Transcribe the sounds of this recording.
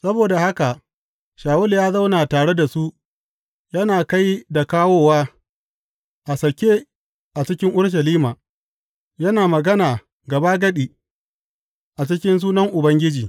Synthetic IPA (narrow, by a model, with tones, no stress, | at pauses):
sɐ˦boː˨da˨ha˦ka˨ | ʃaː˨wʊ˦ljaː˦za˦wnaː˨taː˨ɽe˦da˨su˦ʔ | jɐ˦naː˨ka˦jda˨kaː˦woː˦waː˦ | ʔa˨sɐ˨kʲeː˦ | ʔa˨t͡ʃɪ˦kʲɪ˦ŋʔʊ˦ɽʃ̬ɐ˨liː˦maː˨ | jɐ˦naː˨mɐ˨ɡɐ˦naː˨ | ɡɐ˨ba˦ɡɐ˦ɗiː˨ | ʔa˨t͡ʃɪ˦kʲɪ˦ns̬uː˦nɐ˦ŋʔʊ˨bɐ˦ŋɡʲɪ˦d͡ʒiː˨